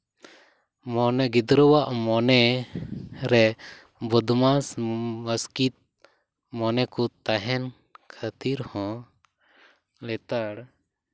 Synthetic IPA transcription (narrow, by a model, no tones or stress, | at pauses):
mɔnɛɡid̪ɾəwaʔmɔnɛ | ɾɛ | bɔd̪masməskit̪̚ | mɔnɛkɔt̪aɦɛn | kʰat̪iɾhɔ̃ | lɛt̪aɽ